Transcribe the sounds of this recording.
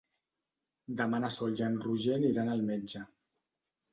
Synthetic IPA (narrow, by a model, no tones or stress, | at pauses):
d̪əmanasolʒanruʒeniɾanalˠmed͡ʒə